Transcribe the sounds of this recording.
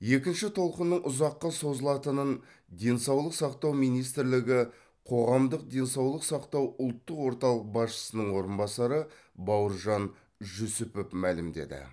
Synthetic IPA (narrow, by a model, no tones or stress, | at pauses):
je̞kʲɪnʃɪt̪ʰo̞lˠqənːəɴʔʊzɑqːɑso̞zəlˠɑt̪ənən | d̪e̞nsɑwlˠəqsɑqt̪ɑwmijnijs̬t̪ɪɾlɪɡʲɪ | qʰo̞ʁɑmd̪əq̚d̪e̞nsɑwlˠəqsɑqt̪ɑwʊlˠt̪ːəqwo̞ɾt̪ɑlˠəq̚bɑsʃə̥sənəɴwo̞ɾənbɑsɑɾə | bɑwəɾʒɑn | ʒɵsʊpepmælɪmd̪e̞̰d̪ɪ̰